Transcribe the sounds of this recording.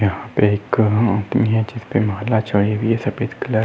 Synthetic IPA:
jɐɦãpeɪkãːnt̪miɦɛd͡ʒɪspemɐɦalat͡ʃəɽieʋiɛsɐpesklə

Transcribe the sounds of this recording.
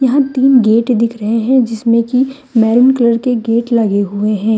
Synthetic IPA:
jɐɦãt̪iːnɡeːʈd̪ɪkʰɾɐɦeɦɛ̃d͡ʒɪsmẽki | mɛːɾɪnkɐləɾkeɡeːʈlɐɡeɦʊeɦɛ̃ː

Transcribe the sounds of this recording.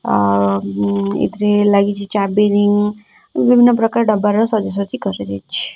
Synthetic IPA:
ḭt̪ɾelaɡit͡ʃʰit͡ʃabeniŋɡ | ʋibʱinːəpɾəkaɾɖəbaɾɔsɔd͡ʒəsət͡ʃikəɾed̪et͡ʃʰi̥

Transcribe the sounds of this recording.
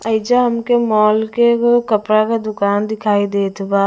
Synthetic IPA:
ɐɪd͡ʒaɦɐmkemɔːlkekkɐpɾakad̪ʊkaːnd̪ɪkʰaːid̪eːt̪baː

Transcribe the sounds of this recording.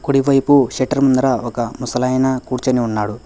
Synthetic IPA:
kuɽiʋɐjpuʃeʈɐɾmund̪ɐɾaɔkɐmusɐlɐjnɐkuːɾt͡ʃɐniunːaːɽu

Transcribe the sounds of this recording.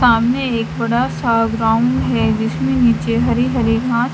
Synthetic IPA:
aːmneeːkbɐɽasaːɡɾãːʊ̃ɳɖɦɛd͡ʒɪsmẽniːt͡ʃeɦɐɾiɦɐɾiɡʱãːt̪

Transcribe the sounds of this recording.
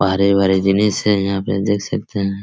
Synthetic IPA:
bʱaːɾebʱaːɾed͡ʒ̪ɪnisejɐɦãpḛd̪eːkʰsɐk̚t̪eɦɛ̃ː

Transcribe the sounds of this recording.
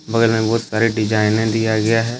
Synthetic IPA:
bɐɡəlnẽbɔːt̪saːɾiɖɪd͡ʒaːɪnẽd̪ijaɡɐjaɦɛː

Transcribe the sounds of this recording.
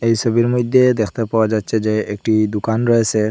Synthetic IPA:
ejsɔbiɾmɔjd̪ʱːed̪ekʰt̪epawad͡ʑat̪ːsʰed͡ʑeek̚ʈid̪ukanɾɔesʰe

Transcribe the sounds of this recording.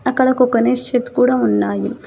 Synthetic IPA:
ɐkːɐɽɐkokɐneːʂt͡ʃet̪kuːɽɐmunːaːjum

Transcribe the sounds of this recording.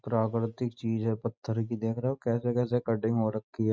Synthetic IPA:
pɾaːkɾɪt̪ɪkt͡ʃiːzɦɛpət̪ʰːəɾkid̪eːkʰɾɐɦɛokɛːsekɛːs̬ekəɖɪ̃ŋɡɦoːɾəkʰːiɦɛ

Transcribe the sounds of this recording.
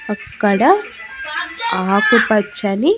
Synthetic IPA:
ɐkkːɐɽɐ | aːkupɐt͡ʃːɐni

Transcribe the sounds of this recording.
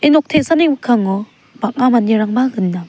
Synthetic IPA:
enɔk̚tʰesaneŋbɯkʰaŋɔ | bak̚amaniɾaŋbaɡɯnːa

